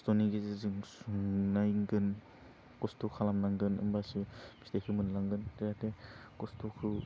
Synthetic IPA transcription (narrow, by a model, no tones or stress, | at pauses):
stɔniɡezɯzɯŋsuŋnajŋɡɯn | kɔstɔkʰalamnaŋɡɯnɯ̰mbasɯb̥istekʰɯmɯnlaŋɡɯntejatekɔstʰɔkʰɯ